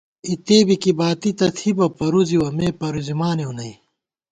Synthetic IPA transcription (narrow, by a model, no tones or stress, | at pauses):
it̪eːbikibaːt̪it̪ɐt̪ʰibɐpɐɾuziwɐmeːpɐɾuzimaːneunɐi